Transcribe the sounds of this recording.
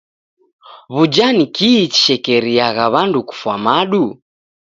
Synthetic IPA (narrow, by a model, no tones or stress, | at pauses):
βud͡ʒanikiːt͡ʃi̥ʃɛkɛɾiaɣaβanduku̥fwamaɗu